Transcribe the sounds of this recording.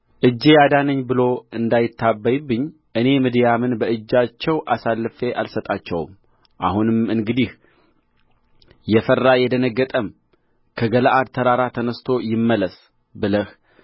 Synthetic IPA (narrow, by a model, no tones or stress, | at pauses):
ʔɨd͡ʒːejad̪anəɲːbɨlo̞ɨnd̪ajɪt̪ːabːajbːɨɲː | ʔɨne̞mɨd̪jamɨnbəʔɨd͡ʒːat͡ʃːɛwʔasalːɨfe̞ʔalsət̪ʼat͡ʃːɛ̰w̰m | ʔa̰hunɨmɨŋɡɨd̪ih | jɛfərːajɛd̪ənəɡːət̪ʼəm | kʰəɡələʔad̪̚t̪ʰəɾaɾat̪ʰənəst̪ʰo̞jɪmːələs | bɨləh